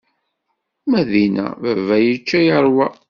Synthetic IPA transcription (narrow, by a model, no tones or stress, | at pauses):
mæðinæ̰ðəvæjət͡ʃːæjəɾˤwæ